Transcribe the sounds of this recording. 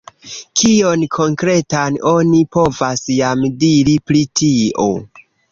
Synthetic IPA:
kʰionkʰo̞ŋkɾe̞tano̞nipo̞vasjamdiɾiplitʰiʔo̞̰

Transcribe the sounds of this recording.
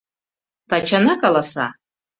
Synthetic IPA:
t̪ʰat͡ʃʰanakalasa̰

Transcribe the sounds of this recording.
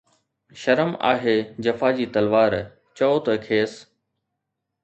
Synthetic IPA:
ʃɐɾəma̰ːɦeːd͡ʑɐfaːd͡ʑiːt̪ɐlʋaːɾ | t͡ɕɔːt̪əkʰeːs

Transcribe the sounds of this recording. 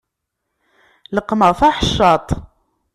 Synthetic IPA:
ləqːməʁfaħəʃːɑt̪ˤ

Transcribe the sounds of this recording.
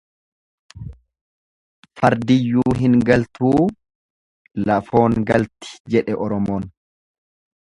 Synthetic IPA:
fɐɾd̪ɪjːuːɦɪŋɡɐlt̪uː | lɐfo̞ːŋɡɐlt̪ɪ̥d͡ʒɛᶑɛʔɔɾɔmoːn

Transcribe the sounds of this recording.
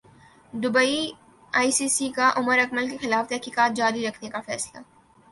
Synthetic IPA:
d̪ʊbəi | aːisiːsikaʔʊməɾɐkməlkexɪlaːft̪ɛɦkiːkaːt̪̚d͡ʒaːɾiɾɐkʰnekafɛ̰ːsla̰

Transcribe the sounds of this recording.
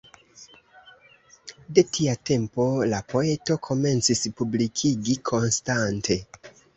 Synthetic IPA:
de̞tʰiate̞mpo̞lapo̞e̞to̞kʰo̞me̞nt͡sispublikʰiɡikʰo̞nstantʰe̞

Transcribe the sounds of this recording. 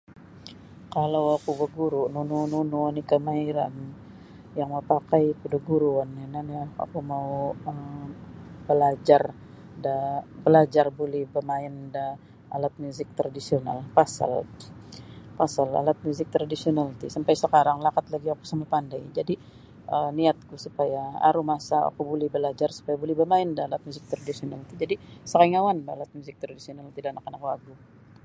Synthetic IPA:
kalawakubəɡuɾununununuanikəmaiɾa̰n | jaŋmaupakajkudəɡuɾuanːinania̰kumauə | bəlad͡ʒar | dabəlad͡ʒarbulɛhbəmaɪnda | alat̪̚muzɪk̚t̪ɾadisiona̰lpasa̰l | pasala̰lat̪̚muzɪk̚t̪ɾadisionalit̪isampajsəkaɾaŋlakat̪laɡiaku̥samapandajd͡ʒadi | əniat̪̚kusupajaa̰ɾumasaa̰kubulɛhbəlad͡ʒarsu̥pajabulɛhbəmaɪndaːlat̪̚muzɪk̚t̪ɾadisionalit̪id͡ʒadisaɾaɪŋawanbəalat̪̚muzɪk̚t̪ɾadisionalt̪idanakənakua̰ɡu

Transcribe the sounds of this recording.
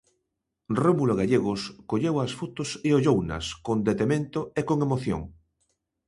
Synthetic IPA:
romuloɣaʎeɣʊskoʎewasfut̪ʊseoʎownɐ̰skond̪et̪emẽnt̪ʊekoŋemoθjo̰ŋ

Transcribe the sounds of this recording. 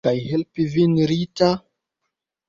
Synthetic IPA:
ajhelpivinɾita

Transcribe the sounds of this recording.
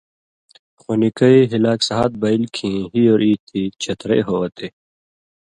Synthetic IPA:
xonikɐiɦilaːksɐɦaːt̪̚bɐilkʰĩɦiːoːɾiːt̪ʰit͡ɕʰɐt̪ɾḛːɦoːɐt̪e

